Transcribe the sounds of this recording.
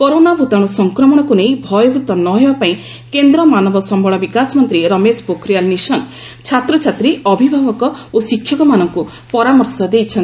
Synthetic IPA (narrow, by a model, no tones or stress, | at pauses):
kɔɾonabʱut̪aɽ̃usɔŋkɾɔmɔɽ̃ɔkunejbʱɔjɔbʱut̪ɔnɔɦebapaĩ | kend̪ɾɔmanɔbɔsɔmbʱɔɭɔbikasmɔnt̪ɾiɾɔmespokɾijalnisɔŋ | t͡ʃʰat̪ɾɔt͡ʃʰat̪ɾiɔbʱibʱabɔkɔosikʰːjɔkɔmanɔŋku | pɔɾamɔɾsɔd̪ejt͡ʃʰɔn